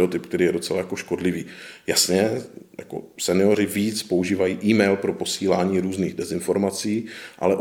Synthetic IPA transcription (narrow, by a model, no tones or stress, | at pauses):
ot̪ɪpk̚t̪ɛɾiːjɛdo̞t͡sɛlajako̞ʃko̞dlɪviːjasɲɛja̰ko̞̰sɛnɪo̞ɾ̝ɪviːt͡spouʒiːvajiːʔiːmɛjlpɾo̞po̞siːlaːɲiːɾuːzniːɣdɛzɪnfo̞ɾmat͡siːʔa̰lɛʔ